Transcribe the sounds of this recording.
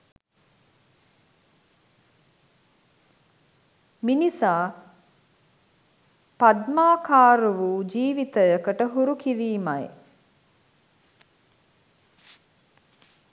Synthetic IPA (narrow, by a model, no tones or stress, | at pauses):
minisaː | pad̪maːkaːɾəʋuːd͡ʒiːʋit̪əjəkəʈəɦuɾukiɾiːmaj